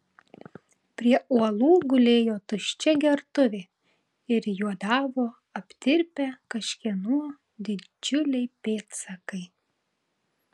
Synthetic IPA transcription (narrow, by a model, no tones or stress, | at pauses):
pʲɾʲiɛuɔlˠuːɡʊlʲeːjoːt̪ʊʃʲt͡ʃʲɛɡʲɛɾt̪ʊʋʲe | ɪɾjuɔd̪ɑːʋoː | ɐpʲt̪ʲɪɾʲpʲɛkɐʃʲkʲiɛnuː | d̪ʲɪd͡ʒʲʊlʲɛɪpʲeːt̪sɐkɐɪ